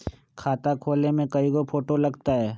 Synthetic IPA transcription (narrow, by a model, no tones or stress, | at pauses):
kʰaːt̪akʰoːlnemẽkɐiɡopʰoːʈolɐɡt̪aɦɛː